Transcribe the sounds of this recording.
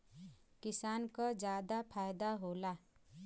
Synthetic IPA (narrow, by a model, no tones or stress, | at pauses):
kisaːnkɔd͡ʒaːd̪apʰaːjd̪aɦola